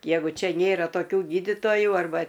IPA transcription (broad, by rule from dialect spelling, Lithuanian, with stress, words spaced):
ˈjæːɡʊ ˈt͡ʃʲɛ ˈnʲeːrɐ toːˈkʲuː ˈɡʲiːdʲɪtoːjʊ ɐrˈbɐ